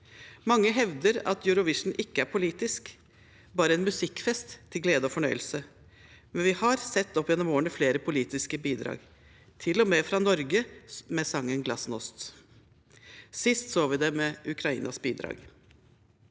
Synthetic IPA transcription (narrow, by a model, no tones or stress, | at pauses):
mɑŋːəɦɛʋd̪əɾɑ̰t̪jʉɾʊʋɪʂɳn̩ʔɪkːəæɾpʰʊliːt̪ɪsk | bɑːɾəɛnmʉsɪkfɛst̪ʰːɪlɡleːd̪əɔfɔɳœʏəlsə | mɛnʋɪhɑɾsɛt̪ːɔpːjɛnːɔmoːɳ̩əfleːɾəpʰʊliːt̪ɪskəbiːd̪ɾɑ̰ːɡ | t̪ʰɪlɔmeːfɾɑnɔɾɡəmɛsɑŋːənɡlɑsnɔst̪ | sɪst̪soːʋɪd̪ɛmɛʔʉkʰɾɑḭːnɑsbiːd̪ɾɑ̰ːɡ